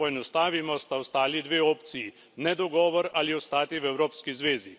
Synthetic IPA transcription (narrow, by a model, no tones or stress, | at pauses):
ɔɛnɔst̪aːʋimɔst̪awst̪aːlid̪ʋeːoːpt̪siji | nɛd̪ɔɡɔːʋɔɾaliɔst̪aːt̪iʋɛwɾoːpskizʋeːzi